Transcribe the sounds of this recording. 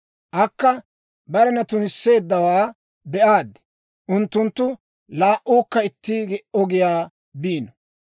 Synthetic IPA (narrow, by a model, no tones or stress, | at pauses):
ʔɐkːɐ | bɐɾɛnɐt̪ʊnɪsːe̞ːd̪ːɐwaː | bɛʔaːd̪ɛ̥ | ʔʊnt̪ːʊnt̪ːʊ | laːʔuːkːɐɪt̪ːɪɡɛʔɔɡɪjaː | biːnɔ